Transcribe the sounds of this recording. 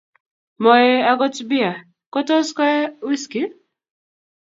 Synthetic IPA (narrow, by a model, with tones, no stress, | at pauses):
mɔ˨jɛ˦a˦kɔ˦tbi˦a˨ | kɔ˦tɔ˦skɛ˦wi˦ski˦